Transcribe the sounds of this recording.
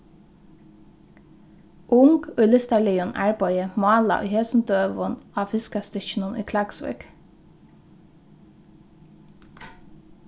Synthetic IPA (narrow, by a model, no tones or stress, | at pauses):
ʔʊŋkʉːlɪst̪alɪjʊnʔæ̰ɹpɔʏəmɑːla̰ʔʊ̰ːheːsn̩d̪øːʋʊnɑːfɪskast̪ɪçnʊnʔʏ̰ːkʰlɑksʋœ̰k